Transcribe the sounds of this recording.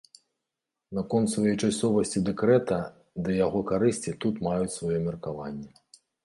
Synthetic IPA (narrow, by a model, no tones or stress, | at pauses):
nɐkɔnt̪svajɛjt͡ʂasʲɔvɐsʲt͡sʲid̪ɛkɾɛt̪ɐ | d̪ɐjaɣɔkaɾɨsʲt͡sʲit̪ut̪majut͡sʲsvajɔmʲɛrkavanʲːɛ